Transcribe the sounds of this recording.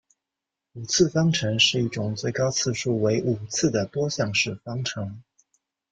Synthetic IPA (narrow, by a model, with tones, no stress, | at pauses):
u˨˩t͡sʰɹ̩˥˩fɑ˥ŋʈ͡ʂʰɤ˧˥ŋʂɻ̩˥˧i˥˩ʈ͡ʂʊ˨˩ŋt͡swe˥˩ɪkɑ˥ʊt͡sʰɹ̩˥˧ʂu˥˩we˧˥ɪʔu˨˩t͡sʰɹ̩˥˩d̪ə˩t̪wɔ˥ɕjɑ˥˧ŋʂɻ̩˥˩fɑ˥ŋʈ͡ʂʰɤ˧˥ŋ